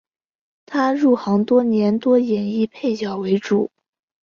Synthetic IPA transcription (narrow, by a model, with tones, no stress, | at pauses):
t̪ʰa˥ɻu˥˩xɑ˧˥ŋt̪wɔ˥njɛ˧˥nt̪wɔ˥jɛ˨˩ni˥˧pʰe˥˩ɪt͡ɕjɑ˨˩ʊwe˧˥ɪʈ͡ʂu˨˩˦